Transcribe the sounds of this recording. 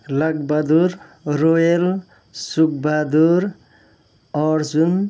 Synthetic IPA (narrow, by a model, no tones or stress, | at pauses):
lʌɡ̚bad̪uɾɾoel | suk̚bad̪uɾ | ɔɾd͡zun